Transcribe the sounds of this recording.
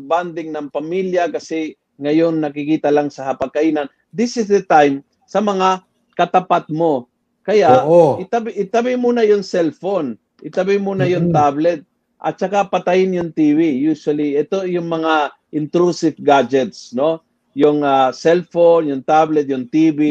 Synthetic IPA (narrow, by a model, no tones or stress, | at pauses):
band̪ɪŋnɐŋpɐmiljakɐsɛ | ŋɐjonnɐkɪkiːt̪ɐlaŋsɐhɐpɐɡ̚kɐʔiːnan | d̪ɪsɪsd̪ɛt̪ajm | sɐmɐŋa | kɐt̪ɐpat̪̚mo̞ | kɐjaʔʔoʔɪt̪abʔɪt̪abɪmuːnajʊŋsɛlfon | ʔɪt̪abɪjmuːnajʊŋt̪ablɛt̪̚ | ʔɐ̰t̪̚t͡ʃɐkapɐt̪ajɪnjʊŋt̪iːvijusʊwɐliʔɛt̪ojʊŋmɐŋa | ʔɪnt̪ɾusɪvɡad͡ʒɛt̪sno̞ | jʊŋasɛlfonjʊŋt̪ablɛt̪̚jʊŋt̪iːbi